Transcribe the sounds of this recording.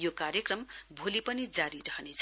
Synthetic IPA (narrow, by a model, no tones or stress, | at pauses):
jokarjʌkrʌmbʱolipʌnid͡zaɾiɾʌɦnet͡sʰ